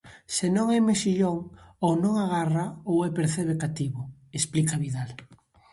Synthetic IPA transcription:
senõŋɛmesiʎoŋownõŋaɣaraowɛpeɾθɛβekat̪iβʊesplikaβiðal

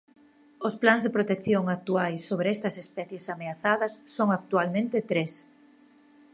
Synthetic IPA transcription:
osplanzðepɾot̪ekθjoŋak̚t̪uajsːoβɾeɛst̪ɐsespɛθjesameaθaðɐsːoŋak̚t̪ualmẽnt̪ɪt̪ɾes

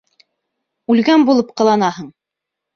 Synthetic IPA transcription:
ʉlɡænbulˠɤpqɤ̆lˠɑnɑhɤɴ

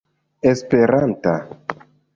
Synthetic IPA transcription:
espeɾanta

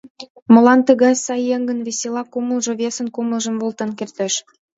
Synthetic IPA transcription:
mə̆lɑnt̪ə̆ɣɑsɑjːeŋɡə̆nβesʲelɑkuməlʒɤ̆βʲesə̆nkuməlˠʒə̆mvolt̪ə̆nkert̪eʃ

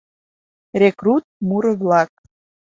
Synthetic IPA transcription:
rʲekrut̪̚muɾə̆βlɑk̚

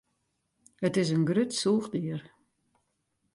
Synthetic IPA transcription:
ətɪs̬ənɡrøtsuːχdiər

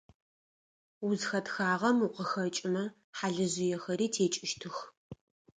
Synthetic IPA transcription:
ʊzxɐtxaːʁɐmuqəxɐt͡ʃʼɪmɐ | ħaɮɨʑɪjɛxɐɾiːtʰeːt͡ʃʼɪʃtʰɨx

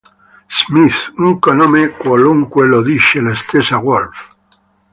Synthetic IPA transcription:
smiθuŋkonõmekwoluŋkweloðiʃelest̪esaɣwolf

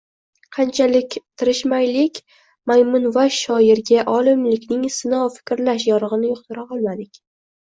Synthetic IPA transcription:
qʰɑnt͡ʃʰalɪkʲt̪ʰɪɾɪʃmajlɪkʲ | majmʊnvaʃɒjɪɾɡʲaʔɒlˠɪmlɪkʲnɪŋsɪnɒwfɪ̥kʲɾlaʃjɒɾɨʁɨnɪjʊqt̪ʰɪɾaɒlˠmad̪ɪkʲ

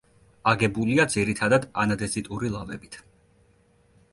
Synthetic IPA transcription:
aɡɛbuliad̪ziɾit̪ʰad̪ad̪a̰nad̪ɛzit̪ʼuɾilˠavɛ̰bit̪ʰ

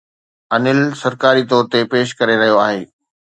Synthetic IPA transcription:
ɐnɪlsɐɾkaːɾit̪ɔːɾt̪epeːʃ̬kɐɾeɾɐɦijoaːɦeː

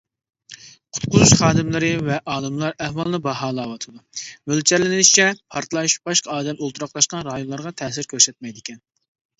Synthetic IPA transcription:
qʰʊ̥t̪qʰʊzuʃχɑːd̪ɨmlˠɨɾɨvɛʔɑːlˠɨmlˠɑɾɛhwɑlˠɨnɨbɑɦɑːlˠɑwɑt̪ʰɨd̪umølt͡ʃʰɛɾlɪnɪnɪʃt͡ʃʰɛpʰɑɾt̪lˠɑʃb̥ɑʃqɑɑːd̪ɛmolˠt̪ʰɾɑqlˠɑʃqɑnɾɑjonlˠɑɾʁɑt̪ʰɛːsɪɾkʲʰøɾsɛt̪̚mɛjd̪ɪkʲʰɛn

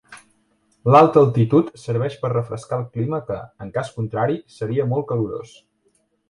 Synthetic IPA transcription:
lalˠt̪əːlˠt̪it̪ut̪səɾβ̞ɛʃpərrəfɾəskalˠkliməkəəŋkaskunt̪ɾaɾisəɾiəmɔlˠkəluɾo̰s

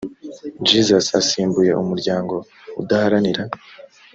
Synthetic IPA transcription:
d͡ʒizasasiːmbuje̞umuɾɟaːŋɡo̞ | udahaɾaniɾa

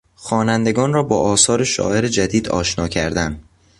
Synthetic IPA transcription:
xɒːnænd̪e̞ɡɒːnrɒːbɒːʔɒːsɒːɾe̞ʃɒ̰ːʔe̞ɾe̞d͡ʒæd̪iːd̪ɒ̰ːʃnɒːcʰæ̰ɾd̪æn

